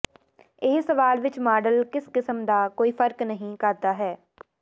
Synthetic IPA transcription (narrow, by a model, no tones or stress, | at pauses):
ɪɦsəʋaːlʋɪt͡ʃmaːɖəlkɪskɪsəmd̪aːkoːiːpʰəɾknəɦĩːkəɾt̪aːɦɛː